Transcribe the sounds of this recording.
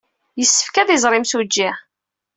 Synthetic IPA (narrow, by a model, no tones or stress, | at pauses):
jəsːə̥fkæðɪzˤɾˤɪmsud͡ʒːæ